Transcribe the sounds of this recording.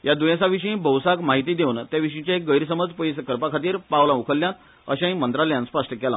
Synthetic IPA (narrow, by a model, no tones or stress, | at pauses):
jad̪ujãsaʋiɕĩbəwsakmaɦit̪̬iːd̪eunt̪jaʋiɕ̬ĩt͡ɕjaek̚ɡəjɾs̬əməd͡zpəjskəɾpakʰat̪̬iːɾpawlãukʰəljãt̪ | ə̰ɕãĩmənt̪ɾaljãnspəʂʈʰəkɛla̰